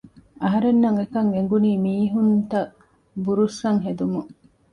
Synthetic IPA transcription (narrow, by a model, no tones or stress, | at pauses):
ɐɦɐɾenːɐŋekɐŋeŋ̆ɡuniːmiːɦunt̪ɐ | buɾusɐŋɦed̪umu